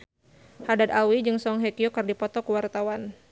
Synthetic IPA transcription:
hadad̪awid͡ʒɨŋsɔŋɦɛkiokɨrdipɔt̪ɔkəwart̪awan

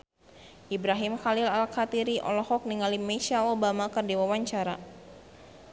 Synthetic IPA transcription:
ʔibɾaɦimxalilalkat̪iɾiʔɔ̰lɔhɔk̚niŋalimɛʃaobamakɨrdiwawaɲt͡ʃaɾa

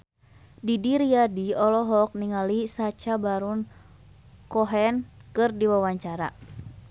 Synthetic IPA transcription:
didiɾiadiɔlɔɦɔk̚niŋalisat͡ʃabaɾun | kɔɦɛnkɨrdiwawaɲt͡ʃaɾa̰

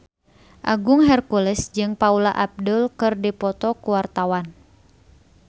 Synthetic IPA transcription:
ʔa̰ɡʊŋɦɛrkulɛsd͡ʒɨŋpaulaʔap̚dʊlkɨrdipɔt̪ɔkuwart̪awan

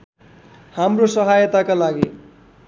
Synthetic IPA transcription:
hamrosʌɦajʌt̪akalaɡi

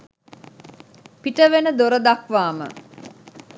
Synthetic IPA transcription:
piʈəʋenəd̪oɾəd̪akʋaːmə̰

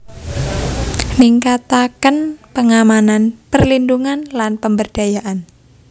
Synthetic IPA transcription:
niŋkat̪akənpəŋamananpərlinduŋanlanpəmbərd̥a̤jaʔan

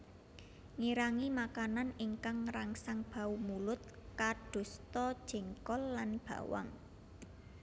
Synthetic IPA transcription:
ŋiɾaŋimakananɪŋkaŋraŋsaŋb̥a̤umulʊt̪̚kaɖ̥o̤st̪ɔd̥ʒ̥ɛ̤ŋkɔlːanb̥a̤̰wa̰ŋ

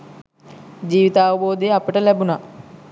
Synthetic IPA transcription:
d͡ʒiːʋit̪aːʋəboːd̪ejəapəʈəlæbuna

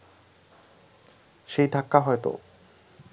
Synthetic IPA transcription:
ɕit̪akːaɦoet̪o̰

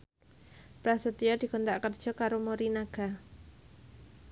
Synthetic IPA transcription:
pɾasut̪iɔd̥̪i̤ɡɔnt̪aʔkərd̥ʒ̥ɔ̤kaɾomoɾinaɡ̥a̤

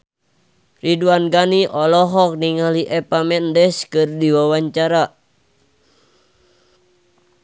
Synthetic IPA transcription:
riduanɡaniʔɔlɔɦɔk̚niŋaliʔɛpamɛndɛskɨrdiwawaɲt͡ʃaɾa

